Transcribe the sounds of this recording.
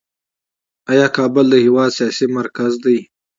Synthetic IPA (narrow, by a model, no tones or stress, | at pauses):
ajɑːkɑːbʊld̪əhiwɑːd̪sijɑsimaɾkazd̪aj